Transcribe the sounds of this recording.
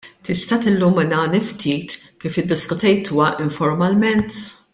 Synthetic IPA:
t̪ɪst̪ɐt̪ɪlːuːmːɪnɐːnift̪ʰiːt̪ | kiːfjɪd̪ːɪskʊt̪ɛjt̪ʰuːwɐʔɪɱfɔɾmɐlmɛnt̪

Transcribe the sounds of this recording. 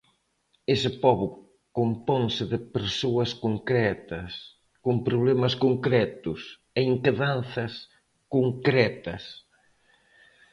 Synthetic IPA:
esɪpɔβʊ | kompɔŋsɪðɪpeɾsoɐskoŋkɾɛt̪ɐs | kompɾoβ̞lɛmɐskoŋkɾɛt̪ʊs | eiŋkeðanθɐs | koŋkɾɛt̪ɐs

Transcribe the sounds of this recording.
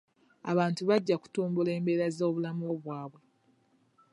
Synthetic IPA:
aβaːntuβaɟːaku̥tuːmbule̞ːmbe̞ɾazoːβulamoβwaːβwe̞

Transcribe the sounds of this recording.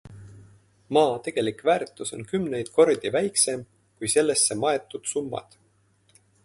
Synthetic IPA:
mɑːt̪e̞ɡ̥e̞likvæːɾt̪ːˑuso̞̰nkymne̞jd̪̥ko̞rd̪̥ivæjkse̞m | kujse̞lːe̞sːe̞mɑe̞t̪ːˑud̪̥sumːɑ̰d̪̥

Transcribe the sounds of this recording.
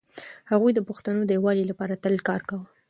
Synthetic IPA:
haɣujd̪əpʊxt̪anod̪əjwɑlilapɑɾat̪əlkɑɾkawə

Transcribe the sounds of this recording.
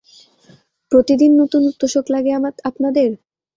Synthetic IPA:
pɾot̪id̪inːot̪unut̪ːoʃoklaɡeamaapnad̪eɾ

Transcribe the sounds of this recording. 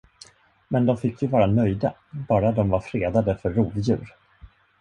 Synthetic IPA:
mɛnd̪ɔmfɪkːjɵvɑːɾanœjd̪a | bɑːɾad̪ɔmvaɾfɾeːd̪ad̪əfœɾːuːvjʉ̟ːɾ

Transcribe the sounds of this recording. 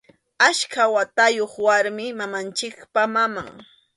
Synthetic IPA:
aʃkawat̪ajoχwaɾmɪmamant͡ʃɪkpamama̰ŋ

